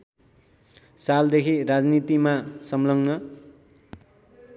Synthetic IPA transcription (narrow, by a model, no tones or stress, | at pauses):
sald̪ekʰirad͡znit̪imasʌmlʌŋnʌ